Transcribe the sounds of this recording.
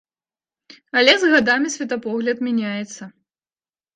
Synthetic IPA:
ɐlʲɛzɣad̪amʲisʲvʲɛt̪ɐpɔɣlʲɐt̪mʲɛnʲajɛt̪sːɐ

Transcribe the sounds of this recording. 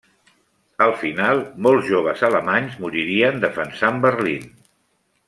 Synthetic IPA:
əlˠfinalˠmɔlˠzʒoβ̞əzələmaɲzmuɾiɾiənd̪əfənsambərlin

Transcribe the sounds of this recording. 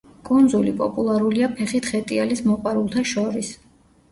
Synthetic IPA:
kʼund̪zulipʼɔ̰pʼulˠaɾuliapʰɛχit̪ʰχɛt̪ʼialismɔqʼwaɾulˠt̪ʰaʃɔɾis

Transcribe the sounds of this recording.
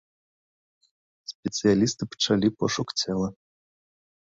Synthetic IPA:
sʲpʲɛt̪sɨjalʲist̪ɨpə̥t͡ʂalʲipɔʂukt͡sʲʰɛlˠɐ

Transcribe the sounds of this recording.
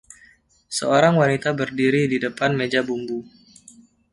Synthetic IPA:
səoɾaŋwanit̪abərdiɾididəpanmed͡ʒabumbu

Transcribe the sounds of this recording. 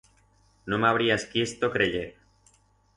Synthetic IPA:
nomeaβ̞ɾiaskjest̪okɾeʎeɾ

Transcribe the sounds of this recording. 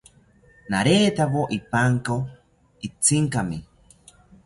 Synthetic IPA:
naɾeːt̪aβoʔipaŋko | it͡siŋkami

